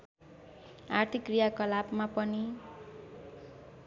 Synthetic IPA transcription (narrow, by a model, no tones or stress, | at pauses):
art̪ʰikrijakʌlabmapʌni